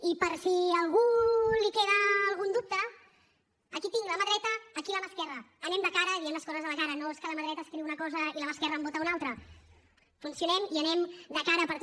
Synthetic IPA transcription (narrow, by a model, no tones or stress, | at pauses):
ipəɾsiəlˠɣulikeðəːlˠɣund̪up̚t̪əː | kit̪iŋɡləməðɾɛt̪əːkiləmaskɛrəːnɛmd̪əkaɾəðiɛmləskɔzəzðələkaɾənoeskələməðɾɛt̪əːskɾiwunəkɔzəḭləmaskɛrəːmbot̪əunalˠt̪ɾə | funsiunɛmiənɛmd̪əkaɾəpəɾt̪